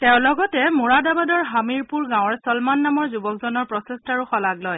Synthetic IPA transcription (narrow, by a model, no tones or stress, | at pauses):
tɛʊ̃lɔɡɔtɛmuɹadabadɔɹɦamiɹpuɹɡãw̃ɹsɔlmanːamɔɹzubɔkzɔnɔɹpɹɔsestaɹuxɔlaɡlɔj